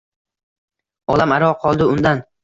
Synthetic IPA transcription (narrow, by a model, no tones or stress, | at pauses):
ɒlamaɾɒqʰɒlˠd̪ɪʊnd̪an